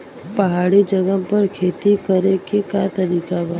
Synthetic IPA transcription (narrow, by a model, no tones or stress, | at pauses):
pɐɦaːɽid͡ʒəɡəɦpɐɾkʰeːt̪ikəɾekekat̪əɾiːkaba